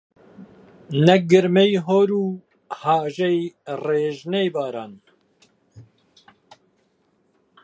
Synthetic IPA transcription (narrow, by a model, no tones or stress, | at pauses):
nɛɡɨɾmɛjɦoːɾuː | haːʒejreːʒnejbaːɾaːn